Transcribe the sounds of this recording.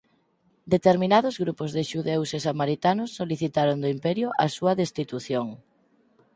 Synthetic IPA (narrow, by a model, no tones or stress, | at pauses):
d̪et̪eɾminaðʊzɣɾupozðeʃuðewsesamaɾit̪anʊsːoliθit̪aɾond̪oimpɛɾjʊʔɐsuɐðest̪it̪uθjoŋ